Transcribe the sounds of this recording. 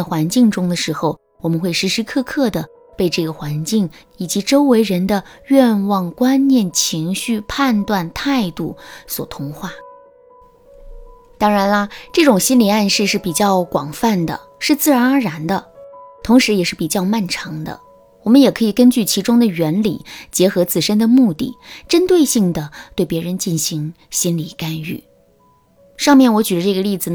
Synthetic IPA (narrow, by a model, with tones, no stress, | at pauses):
xwa˧˥nt͡ɕi˥˩ŋʈ͡ʂʊ˥ŋd̪ə˨ʂɻ̩˧˥xo˧ʊ | wɔ˨˩mə˦nxwe˥˩ɪʂɻ̩˧˥ʂɻ̩˧˥kʰɤ˥˧kʰɤ˥˩d̪ə˩ | pe˥˧ɪʈ͡ʂɤ˥˩ɡə˩xwa˧˥nt͡ɕi˥˩ŋ | i˨˩t͡ɕi˧˥ʈ͡ʂo˥ʊwe˧˥ɪɻə˧˥nd̪ə˧ɥɛ˥˧nwɑ˥˩ŋkwa˥nnjɛ˥˩nt͡ɕʰi˧˥ŋɕy˥˧pʰa˥˧nt̪wa˥˧nt̪ʰa˥˧ɪt̪u˥˩swɔ̰˨˩t̪ʰʊ˧˥ŋxwa˥˩ | t̪ɑ˥ŋɻa˧˥nɐ˧ʈ͡ʂɤ˥˩ʈ͡ʂʊ˨˩ŋɕi˥nli˨˩a˥˧nʂɻ̩˥˧ʂɻ̩˥˩pi˨˩t͡ɕjɑ˥˩ʊkwɑ̰˨˩ŋfa˥˩nd̪ə̰˩ | ʂɻ̩˥˧t͡sɹ̩˥˩ɻa˧˥nə˞˧˥ɻa˧˥nd̪ə˧t̪ʰʊ˧˥ŋʂɻ̩˧˥jɛ˨˩ʂɻ̩˥˩pi˨˩t͡ɕjɑ˥˧ʊma˥˩nʈ͡ʂʰɑ˧˥ŋd̪ə̰˧ | wɔ˨˩mə˦njɛ˨˩kʰɤ˧˥i˨˩kə˥nt͡ɕy˥˩t͡ɕʰi˧˥ʈ͡ʂʊ˥ŋd̪ə˨ɥɛ˧˥nlḭ˨˩˦t͡ɕjɛ˧˥xɤ˧˥t͡sɹ̩˥˩ʂə˥nd̪ə˨mu˥˧t̪ḭ˥˩ʈ͡ʂə˥nt̪we˥˧ɪɕi˥˩ŋd̪ə˩t̪we˥˩ɪpjɛ˧˥ɻə˧˥nt͡ɕi˥˩nɕi˧˥ŋ | ɕi˥nli˨˩ka˥ny̰˥˩ | ʂɑ˥˧ŋmjɛ˥˩nwɔ˧˥t͡ɕy˨˩d̪ə˦ʈ͡ʂɤ˥˩ɡə˧li˥˩d͡zɹ̩˩